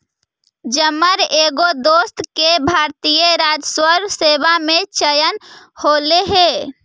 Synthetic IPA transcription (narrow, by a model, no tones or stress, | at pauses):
d͡ʒəməɾeɡod̪ost̪kebʱaɾt̪ijəɾad͡ʒswəɾsebamet͡ʃəjən | holeɦe